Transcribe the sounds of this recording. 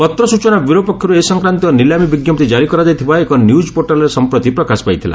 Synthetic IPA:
pɔt̪ɾɔsut͡ʃɔnabiɾɔpɔkʰjɔɾuesɔŋkɾant̪iɔnilamibiɡjɔpt̪id͡ʒaɾikɔɾad͡ʒajt̪ʰibaekɔnjud͡ʒpoɾʈalɔɾesɔmpɾɔt̪ipɾɔkasɔ̥pajt̪ʰila̰

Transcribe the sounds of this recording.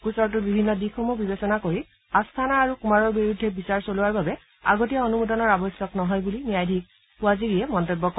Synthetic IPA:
kusɔɹt̬ʊbibʱinːɔdixɔmubibesɔnakoɹi | astʰanaːɹukumaɹɔɹbiɹudʱːɛbisaɹsoluaɹbabɛ | a̰ɡotijaonumudɔnɔɹabɔjsjɔknɔɦɔjbulinijajdʱik̚ | pʊwaziɹijɛmɔntobːɔk

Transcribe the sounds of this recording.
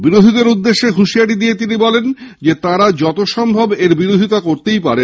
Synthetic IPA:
biɾod̪ʱid̪eɾud̪ːeʃːeɦuʃiaʈid̪ijet̪̬inibɔlend͡ʑet̪aɾad͡ʑɔt̪oʃɔmbʱobeɾbiɾod̪ʱit̪akoɾt̪ejpaɾen

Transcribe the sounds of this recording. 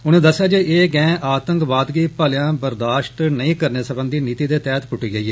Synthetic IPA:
ʊnẽːd̪əsːjaːd͡ʒeeːɡɛ̃ːʔaːt̪əŋkʋaːd̪ɡiːpaːljãːbəɾd̪aːʃʈ̪nəĩːkəɾneːsəbənd̪iːniːt̪iːd̪eːt̪ɛːt̪pʊʈiːɡəiːɦɛː

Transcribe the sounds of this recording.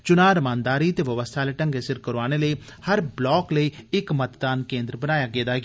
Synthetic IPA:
t͡ʃʊnaːɾəmãːnd̪aːɾit̪eʋəʋəst̪ʰaːleʈə̃ŋɡesɪɾkəɾʋaːneləihɐɾblɔːkləiɪkmət̪d̪aːnkẽːnd̪ɾbənaːjaːɡeːd̪aː

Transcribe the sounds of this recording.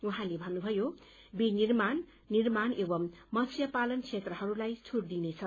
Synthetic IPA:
uɦãlebʱʌnːubʱʌjo | binirman | nirmanebʌmmʌsʰjʌpalʌnkʰet̪rʌhʌɾulajt͡sʰuɽd̪inet͡sʰʌ

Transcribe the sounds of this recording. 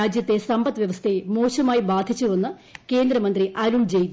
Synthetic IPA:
aːd͡ʑjɐt̪ːe̞sɐmbɐt̪ːɨʋjɐʋɐst̪ʰemoːɕɐmaːjibaːd̪ʱit͡ɕːuʋɐnːɨ | ke̞ːnd̪ɾɐmɐnd̪riʔɐɾuɳd͡ʑej

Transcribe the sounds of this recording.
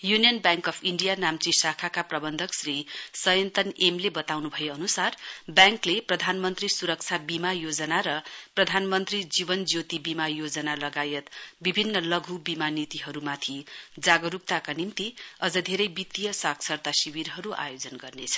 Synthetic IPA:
junijʌnbjaŋkʌpʰiɳɖijanamt͡sisakʰakaprʌbʌnd̪ʱʌksrisʌjʌnt̪ʌnemlebʌt̪awnubʱʌjeʌnusarbjaŋkleprʌd̪ʱanmʌnt̪risuɾʌk̚t͡sʰabimajod͡zʌnaɾʌprʌd̪ʱanmʌnt̪rid͡zibʌnd͡zjot̪ibimajod͡zʌnalʌɡajet̪bibʱinːʌlʌɡʱubimanit̪iɦʌɾumat̪ʰid͡zaɡʌɾup̚t̪akanimt̪iʌd͡zʌd̪ʱeɾʌjbit̪ːijʌsaksʰʌrt̪asiwiɾɦʌɾuʔa̰jod͡zʌnɡʌrnet͡sʰʌ̥

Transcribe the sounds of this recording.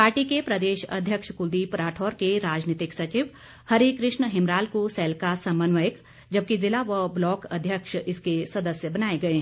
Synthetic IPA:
paːɾʈikepɾɐd̪eːʃɐ̰d̪ʱjəkʃkʊd̪ipɾaːʈʰɔːɾkeɾaːd͡ʒnit̪ɪksɐt͡ʃɪʋ | hɐɾikɾɪʃɳəɦɪ̃mɾaːlkosɛːlkasɐ̃mənʋəjək | d͡ʒɐb̚kizɪlaʋəblɔːkɐd̪ʱjəkʃɪskesɐd̪əsjəbɐnaːeɡɐeː

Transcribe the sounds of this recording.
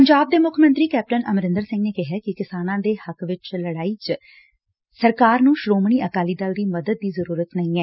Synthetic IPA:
pəɲd͡ʒaːb̚d̪eːmʊkʰmə̃nt̪ɾiːkɛːp̚ʈənʔəmɾɪnd̪əɾsɪ̃ŋɡneːkɪɦɛːkɪkɪsaːnãːd̪eːhəkʋɪt͡ʃləɽaːiːt͡ʃ | səɾkaːɾnũːʃɾoːmɳ̃iːʔəkaːliːd̪əld̪iːməd̪əd̪̚ːiːzəɾuːɾət̪nəĩːɛː

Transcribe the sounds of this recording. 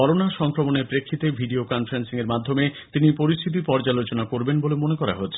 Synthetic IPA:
ɔɾonaʃɔŋkɾomoneɾpɾekʰːit̪ebʱiɖiokɔnfaɾensiŋeɾmad̪ʱːomet̪inipoɾiʃst̪ʰit̪̬ipɔɾd͡ʑalot͡ɕonakoɾbenbolemonekɔɾa̰ɦotːɕʰe̥

